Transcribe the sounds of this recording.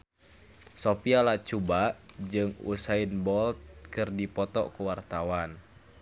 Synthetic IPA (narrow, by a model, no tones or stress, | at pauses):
sopialat͡ʃubaʔd͡ʒɨŋṵsainbɔlt̪̚kɨrdipɔt̪ɔ̰kuwart̪awan